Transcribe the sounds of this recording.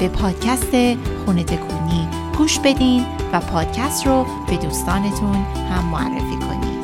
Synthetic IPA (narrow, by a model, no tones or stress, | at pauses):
b̥e̞pʰɒːd̪̥cʰæst̪e̞xune̞t̪ʰe̞kʰuːniː | ɡ̥uːʃbe̞d̪iːnvæpʰɒːd̪̥̚cʰæst̪ro | b̥e̞d̪uːst̪ɒːne̞t̪ʰun | hæmːoæ̰rːḛfiːkʰo̞̰nḭd̪̥